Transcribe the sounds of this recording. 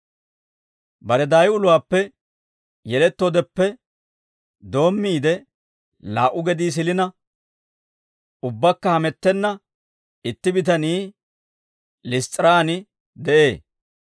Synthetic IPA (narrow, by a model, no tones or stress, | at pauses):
bɐɾɛd̪aːjʊlʊwaːpːɛ | jɛlɛt̪ːod̪ɛpːɛ | d̪o̞ːmːiːd̪ɛ | laːʔʊɡɛd̪iːs̬ɪlɪnɐ | ʊbːɐkːɐhɐmɛt̪ːɛnːɐ | ɪt̪ːɪbɪt̪ɐniː | lɪst̪ʼɪɾaːnɪ | d̪ɛʔe̞ː